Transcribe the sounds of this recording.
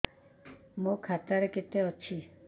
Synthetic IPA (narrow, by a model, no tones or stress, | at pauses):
mokʰat̪aɾeket̪eɔt͡ʃʰi